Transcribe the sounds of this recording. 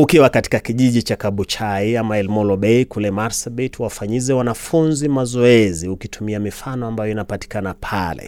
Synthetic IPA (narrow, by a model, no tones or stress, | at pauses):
ukiwakati̥kakiʄiʄit͡ʃakaɓut͡ʃaiamaɛlmɔlɔɓɛikulɛmaɾsaɓitwafaɲizɛwanafunzimazɔɛziukitumiamifanɔambajɔinapati̥kanapʰalɛ̰